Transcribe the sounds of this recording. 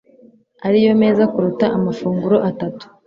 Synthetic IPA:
aɾijo̞me̞ːzakuɾutaʔamafuːŋɡuɾo̞ʔatatu̥

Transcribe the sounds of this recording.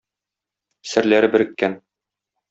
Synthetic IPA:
sɘ̆ɾlæɾɘbɘ̆ɾɘ̆kːæn

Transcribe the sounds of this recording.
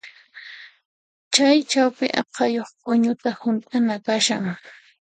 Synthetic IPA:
t͡ʃajt͡ʃawpɪʔɑ̰qʰɑjoχpʼʊɲʊt̪ahʊnt̪ʼanakaʃaŋ

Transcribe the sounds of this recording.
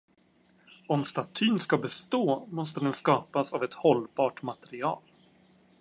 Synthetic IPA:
ɔmst̪at̪ʰyːnskabɛst̪oːmɔst̪əd̪ɛnskɑːpasavɛt̪hɔlːbɑːʈmat̪ɛɾɪɑ̰ːl

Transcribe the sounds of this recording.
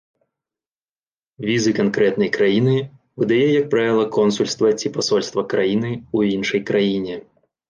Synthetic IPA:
vʲizɨkankɾɛt̪nɐjkɾajinɨ | vɨd̪ajɛjɐk̚pɾavʲilˠɐkɔnsulʲst̪vɐt͡sʲipasɔlʲst̪vɐkɾajinɨuinʂɐjkɾajinʲɛ

